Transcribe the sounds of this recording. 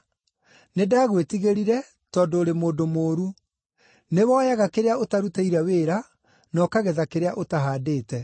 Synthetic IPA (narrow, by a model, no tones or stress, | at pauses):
nedaːɣwetiɣeɾiɾɛ | tɔːndoːɾemoːdomoːɾu | newɔːjaɣakeɾeaotaɾutaiɾɛweːɾa | nɔkaɣeðakeɾeaʔotaɦaːdeːtɛ